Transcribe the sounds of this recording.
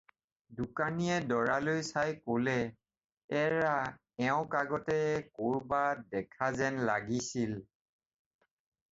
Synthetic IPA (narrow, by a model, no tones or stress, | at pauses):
dukaniɛdɔɹalojsajkolɛ | ɛɹa | ɛʊ̃kaɡɔtɛkoɹbadɛkʰazɛnlaɡisil